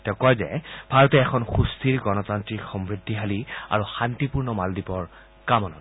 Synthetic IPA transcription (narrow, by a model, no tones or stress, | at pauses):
tɛʊkɔjzɛ̰bʱaɹɔtɛːkʰɔnxustʰiɹɡɔnɔtantɹikxɔmɹidʱːiɦalia̰ɹuxantipuɹnɔmaldipɔɹ | kamɔnɔ̰t